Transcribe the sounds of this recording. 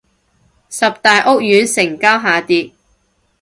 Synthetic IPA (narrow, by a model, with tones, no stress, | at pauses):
sɐ˨p̚t̪aː˨jʔʊ˥k̚jyː˨˧˥nsɪ˨˩ŋkaː˥wɦaː˨˧t̪iː˧t̚